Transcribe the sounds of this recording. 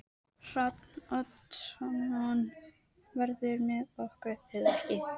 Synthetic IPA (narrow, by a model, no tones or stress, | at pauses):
r̥at̪nɔt̪ʃɔnɔn | vɛɾðʏɾmɛðɔhkʏɪðɛhcɪ